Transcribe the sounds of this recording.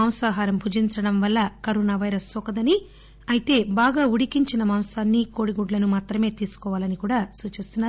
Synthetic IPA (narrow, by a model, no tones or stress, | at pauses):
ɐmsaːɦaːɾɐmbʱud͡ʒiɲt͡ʃɐɽɐmʋɐlːɐkɐɾoːnaːʋɐjɾɐsːɔkɐd̪ɐni | ɐjit̪e̞ːbaːɡaːuɽikiɲt͡ʃinɐmɐmsaːnːikoːɽiɡuɖlɐnumaːt̪ɾɐme̞ːt̪iːsu̥kɔːʋaːlɐnikuːɽaːsuːt͡ʃeːst̪unːaːɾ